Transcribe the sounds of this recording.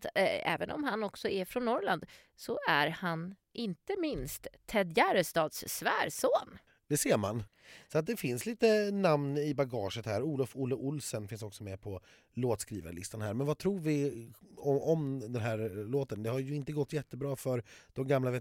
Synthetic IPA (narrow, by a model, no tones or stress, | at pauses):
t̪ɛ̰ːvənʔɔ̰mɦanːɔksɔɛfɾɔnːɔɾland̪ | sɔæɾhanʔɪnt̪əmɪnst̪ʰːɛd̪jæɾəst̪ɑːd̪ssvæːɾsoːn | d̪ɛseːɾman | sɔat̪̚d̪ɛfɪnsliːt̪ənamnɪbaɡɑːʂət̪hæːɾuːlɔfuːlːəʔʊlsənfɪns̬ɔksɔmɛpʰɔ | loːt̪skɾḭːva̰ɾɭɪst̪anhæ̰ːɾmɛnvat̪ʰɾuːɾvɪ | ɔɔmd̪ɛnɦæːɾloːt̪ənd̪ɛhaɾjɵɪnt̪əɡɔt̪ːjɛt̪ːəbɾɑːfœɾd̪̥ɔmɡamlavɛ